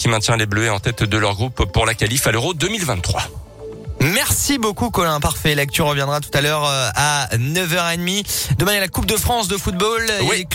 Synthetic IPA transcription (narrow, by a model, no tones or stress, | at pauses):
kʲimɛ̃t̪jɛ̃lebløɛɑ̃t̪ɛt̪d̪əlœʁɡʁupːuʁlakalifaløʁod̪əmilvɛ̃t̪t̪ːχwa | mɛʁsibokukɔlɛ̃paʁfɛlak̚t̪ɥyʁəvjɛ̃d̪ʁat̪u̥t̪alœʁanœvœʁed̪mid̪əmɛ̃elakup̚d̪əfχɑ̃sd̪əfut̪̚bole